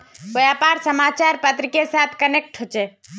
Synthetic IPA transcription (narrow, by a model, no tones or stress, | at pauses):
kojapaɾsəmat͡ʃaɾpət̪ɾikesat̪ʰkənek̚ʈɦot͡ʃɛ